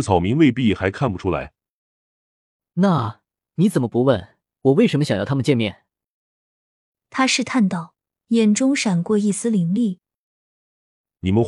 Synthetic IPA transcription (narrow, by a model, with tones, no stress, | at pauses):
t͡sʰɑ˨˩ʊmi˧˥ŋwe˥˧ɪp̬i˥˩xa˧˥ɪkʰa˥˩npu˨˩ʈ͡ʂʰu˥la̰˧˥ɪ | na˥˩ | ni˧˥t͡sə˨˩nmə˦pu˧˥wə˥˩n | wɔ˨˩we˥˩ɪʂə˧˥məɕɑ˨ŋj̪ʰa˥mə˨nt͡ɕjɛ˥˧nmjɛ˥˩n | t̪ʰa˥ʂɻ̩˥˧t̪ʰa˥˧nt̪ɑ˥˩ʊ | jɛ˨˩nʈ͡ʂʊ˥ŋʂa˨˩nkwɔ˥˧i˥˩sɹ̩˥li˧˥ŋli˥˩ | ni˨˩mə˦n